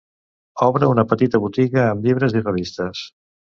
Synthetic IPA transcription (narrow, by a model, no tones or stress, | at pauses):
ɔβɾəunəpət̪it̪əβut̪iɣəːmʎiβ̞ɾəzirəβ̞ist̪əs